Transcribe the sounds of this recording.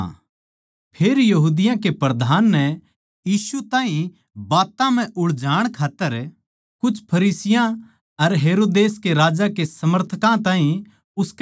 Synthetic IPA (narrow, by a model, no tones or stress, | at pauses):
pʰeːɾjɐɦuːd̪ɪjãkepɾɐd̪ʱaːnːɛ | jiːsut̪ãːɦĩ | baːt̪ãm̤ɛ̃ʔʊɭd͡ʒaːɽ̃kʰaːt̪ːəɾ | kʊt͡ʃʰpʰɐɾiːsɪjã | ɐɾɦeːɾoːd̪eːskeɾaːd͡ʒakesɐməɾt̪ʰəkãt̪ãːɦĩ | ʊsk